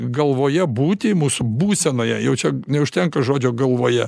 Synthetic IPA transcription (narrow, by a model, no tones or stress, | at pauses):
ɡɐlˠʋoːjɛbuːt̪ʲɪmuːsʊbuːsʲɛnoːjɛjɛʊt͡ʃʲɛnʲɛʊʃʲt̪ʲɛŋkɐʒoːd͡ʒʲoːɡɐlˠʋoːjɛ